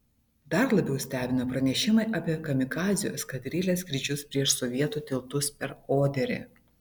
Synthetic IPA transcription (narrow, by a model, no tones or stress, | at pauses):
d̪ɐɾlˠɐbʲɛʊsʲt̪ʲæːbʲɪnɐpɾɐnʲɛʃʲɪmɐɪʔɐpʲiɛkɐmʲɪkɑːzʲɪjo̰ːskɐd̪ʲɾʲɪlʲeːskɾʲɪd͡ʒʲʊspʲɾʲiɛʃsɔʋʲiɛt̪uːt̪ʲɪlˠt̪ʊspʲɛɾoːd̪ʲɛɾʲḛ